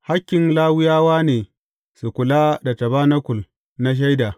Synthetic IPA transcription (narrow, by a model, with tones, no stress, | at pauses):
ha˦kʲːɪ˨nlaː˦wʊ˦jaː˦waː˦neː˨ | su˨kʷʊ˨la˦da˨tɐ˨baː˦na˦kʷʊ˨l | na˦ʃ̬a˦jda˨